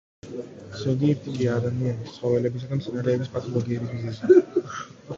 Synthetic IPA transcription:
z̥ɔɡ̪iɛɾt̪ʰikʼiaːd̪amianist̪sχɔvɛlɛbis̬aɡant̪sʰɛnaɾɛːbispʼat̪ʰʼɔlˠɔɡiɛɾibiznɛsi

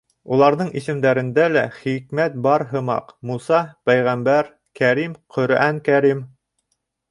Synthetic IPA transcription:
ulˠɑɾðɤɴisɘ̆md̪æɾɘ̆nd̪ælæχikmæt̪̚bɑɾɦɤ̆mɑ̰qmusɑpæjʁæmbæɾ | kæɾimqʰɵ̆ɾæŋkæɾim

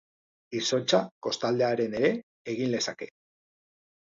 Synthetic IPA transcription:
iso̞t͡ʃako̞st̪ald̪e̞aɾe̞ne̞ɾe̞ | eɣ̞inle̞sake̞

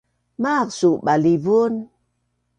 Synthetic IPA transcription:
maqsuɓalivun

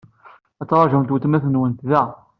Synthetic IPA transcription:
æt͡sːɾˤɑʒəmt̪wut̪mæθənwənt̪ðæ

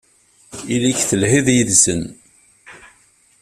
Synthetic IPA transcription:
iliçθəlhiðjəðsən

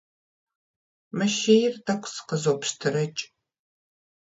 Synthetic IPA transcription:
mɐʃejɪrdɐkʷʰsɨ̥qəzopʃtʰɨɾɐt͡ʃʼ

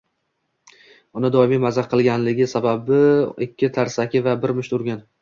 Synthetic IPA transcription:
ʊnɪd̪ɒɪmijmazaɾqʰɨlˠɡʲanlɪɡʲɪsababɪɪkʲʰːɪt̪ʰaɾsakʲɪvabɪɾmɪʃt̪ʊɾɡʲan

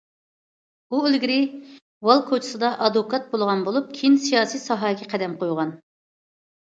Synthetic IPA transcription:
uølɡʲiɾɪ | wɑlˠkʰot͡ʃʰi̥sɨd̪ɑʔɑd̪okʰɑt̪̚bolˠʁɑnbolˠup̚kʲʰinsijɑːsijsɑɦɑːkʲʰɛqʰɛd̪ɛmqʰojʁɑn

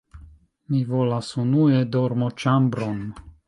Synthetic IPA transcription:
mivolasunued̪oɾmot͡ʃambɾon

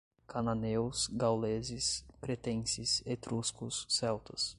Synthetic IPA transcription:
kananewsɡawlezɪspɾet̪ẽsɪset̪ɾuskʊsːɛwt̪ɐs

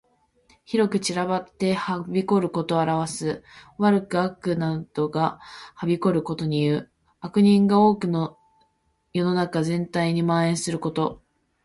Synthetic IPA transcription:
çiɾo̞kɯ̟t͡ɕiɾaβat̪ːe̞habʲiko̞ɾɯ̟ko̞t̪o̞aɾaβasɨβaɾɯ̟kɯ̟akɯ̟nad̪̥o̞ɡahabʲiko̞ɾɯ̟ko̞t̪o̞ɲ̟ijɯ̟ː | akɯ̟ɲ̟ĩŋɡao̞ːkɯ̟no | jo̞no̞nakazẽ̞nt̪aiɲ̟imaːẽɰ̃sɨɾɯ̟ko̞t̪o̞

